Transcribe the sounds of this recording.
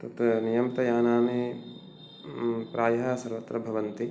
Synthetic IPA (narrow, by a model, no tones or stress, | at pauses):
t̪ɐt̪nijɐmt̪ɐjaːnaːni | pɾaːjɐɦɐsɐɾʋɐt̪ɾɐbʱɐʋɐnt̪i